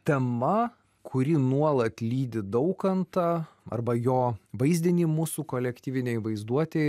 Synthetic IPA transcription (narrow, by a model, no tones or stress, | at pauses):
t̪ʲɛmɐ | kʰʊɾʲɪnuɔlˠɐt̪ʲlʲiːd̪ʲɪd̪ɐʊkɐnt̪ɐɐ̰rbɐjoːʋɐɪzʲd̪ʲɪnʲɪmuːsukoːlʲɛkt̪ʲiːʋʲɪnʲɛɪʋɐɪzd̪uɔt̪ʲe